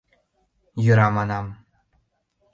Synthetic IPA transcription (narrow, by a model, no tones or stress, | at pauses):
jɤɾɑmɑnɑm